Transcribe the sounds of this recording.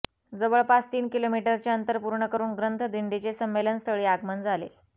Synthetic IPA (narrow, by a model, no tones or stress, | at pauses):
d͡zəʋəɭpat͡st̪iːnkilomiʈəɾt͡ɕaənt̪əɾpuɾɳəkəɾuːnɡɾənt̪ʰəd̪ʱiɳɖit͡ɕesəmːelənst̪ʰəɭiːaɡmənd͡zʱalḛ